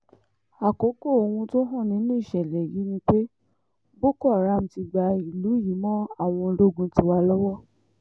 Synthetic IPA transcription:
a˨ko˨˦ko˦˨o˧wũ˧to˦ɦɔ̃˦˨nĩ˨˦nũ˦i˦˨ʃɛ˨lɛ˨ji˨˦nĩ˧k͡pe˦ | bo˦kɔ˦a˨ɾa˨˦˨m̩˨ti˧ɡ͡ba˧i˨lu˨˦ji˨˦mɔ̃˦a˦˨w̃ɔ̃˧ɾo˦ɡũ˧ti˧˦wa˧lɔ˦wɔ˦

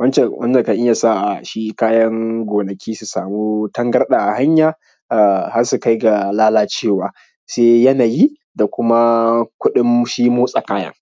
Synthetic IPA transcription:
wɐ˦nt͡ʃɛ˨wʔɐ̰˦nd͡ʒɐ˨ŋka˨ʔɪ˦jaː˨sa˦˨ʔa˨ʃi˦kaː˦jɐ˦ŋɡʷoː˨nɐ˨kʲiː˦su˨saː˨muː˦tɐ˦ŋɡɐ˦rɗaː˨ʔa˨ha˦ɲjaː˨ | ʔa˨ha˦rsu˨ka˦jɡa˨laː˦laː˦t͡ʃeː˦˨waː˨ | seː˦jɐ˦naː˨ji˦ | da˨kʷʊ˦ma˦kʷʊ˦ɗɪ˦mʃiː˦moː˦sʼa˨kaː˦jɐ̰˦ŋ

